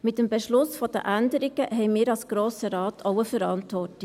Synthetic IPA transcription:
mɪtːəmbɛʃlʊsfɔd̥əʔændəɾɪɡəɦɛɪmiːɾɑlsɡ̥ɾoːsəɾɑːtʰoʊəfəɾɑntʋɔrtɪ

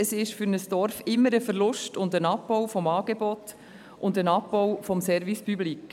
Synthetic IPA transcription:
əsɪʃfyɾnəsd̥ɔɾfɪmːəɾəfəɾlʊʃtʊndənɑpːɔwfɔmɑːɡ̥ebɔt | ʔʊndənɑpːɔwfɔmsɛɾvispyblik

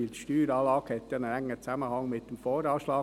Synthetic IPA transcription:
iːltʃtyːɾɑːlɑːɡhɛt̪jɑnənæŋːət͡sæməhɑŋmɪtd̥emfɔːɾɑːʃlɑː

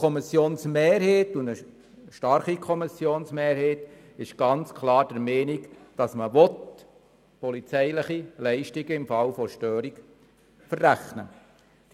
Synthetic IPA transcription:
kʰɔmɪsjoːnsmeːɾheːtʊndə | ʃtɑɾχikʰɔmisːjoːnsmeːɾheːt | ɪʃɡ̥ɑnt͡skʰlɑːɾd̥ɛɾmɛːnikd̥ɑsməʋɔt | pɔlit͡sɛɪləχilɛɪʃtiɡəɪmfɑlfɔʃtøːɾiɡ | fərːæχnə̰̥

